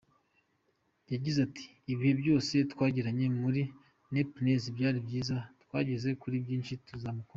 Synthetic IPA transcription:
jaɟizatʰi̥ːβihe̞bɟo̞ːse̞tkwaːɟiɾaɲe̞muɾi | nepinezibɟaːɾibɟiːzatkwa̰ːɟe̞ze̞kuɾibɟiːnʃituzamuko

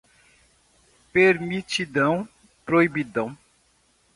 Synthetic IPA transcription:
peɾmit͡ʃid̪ɐ̃w̃ | pɾoibid̪ɐ̃w̃

